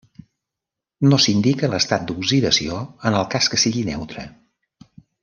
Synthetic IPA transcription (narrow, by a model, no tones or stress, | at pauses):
nosind̪ikələst̪at̪̚d̪uɡziðəsioənəlˠkaskəsiɣinɛwt̪ɾə